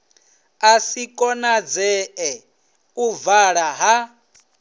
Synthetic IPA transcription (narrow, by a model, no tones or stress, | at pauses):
asikʼɔnad͡zɛʔɛ | uvaɺaɦa